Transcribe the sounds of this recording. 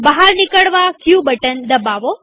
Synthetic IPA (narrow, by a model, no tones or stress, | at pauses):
bəɦaɾnɪkəɽʋakʰjubəʈənd̪əbaʋo